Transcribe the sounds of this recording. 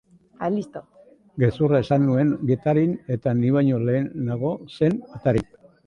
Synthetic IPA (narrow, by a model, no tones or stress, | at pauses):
alist̪o | ɡe̞suraesanːue̞ŋɡet̪aɾine̞t̪aniβajɲo̞le̞ːnːaɣ̞o̞se̞net̪aɾik̚